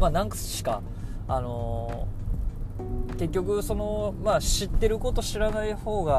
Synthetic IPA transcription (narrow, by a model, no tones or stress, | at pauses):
maːnãŋkḁɕi̥ka̰ | ano̞ | ke̞kʲːo̞k̬ɯ̟so̞no̞maɕit̪ːe̞ɾɯ̟ko̞t̪o̞ɕiɾanaiho̞ːɡa